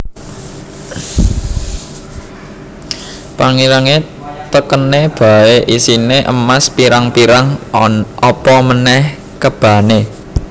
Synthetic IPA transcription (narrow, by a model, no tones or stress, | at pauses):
paŋiɾaŋe | t̪əkəneb̥a̤eʔisineʔə̰maspiɾaŋpiɾaŋʔɔpɔmənɛh | kəb̥ä̤ne